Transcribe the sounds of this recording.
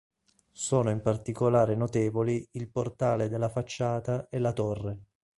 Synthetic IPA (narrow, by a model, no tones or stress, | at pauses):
soːnoimpart̪ikolaːɾenot̪eːvoliilport̪aːled̪elːafat͡ʃːaːt̪aelat̪orːe